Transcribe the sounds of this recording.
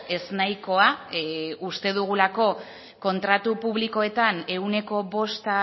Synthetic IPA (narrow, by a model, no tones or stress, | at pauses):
e̞znajko̞a | ust̪e̞ðuɣ̞ulako̞ | ko̞nt̪ɾat̪upuβliko̞e̞t̪ane̞une̞ko̞βo̞st̪a